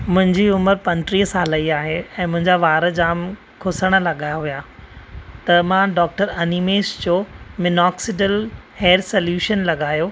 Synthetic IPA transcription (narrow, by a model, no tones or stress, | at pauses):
mʊ̃ɦɪ̃ɲd͡ʑiʊməɾpɐ̃ɲʈɾiːɦəsaːlɐiaːɦeɛ̃ːmʊ̃ɦɪ̃ɲd͡ʑaʋaːɾə̆d͡ʑaːm | kʰʊsəɽ̃ə̆lɐɠaːjaɦuja | t̪ɐmãːɖɔːk̚ʈəɾɐnimeːsd͡ʑoːmɪnɔːksɪʈəlheːɾsɐljuːʃənlɐɠaːjoː